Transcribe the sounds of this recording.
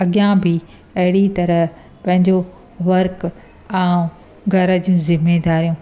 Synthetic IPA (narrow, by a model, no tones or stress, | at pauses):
ɐɠijãbɪ | ɐɦɪɽit̪ɐɾə | pɐ̃ɦɪ̃ɲd͡ʑo | ʋɐɾk | aːũ | ɡʱɐɾəd͡ʑijũzɪmeːd̪aːɾijũː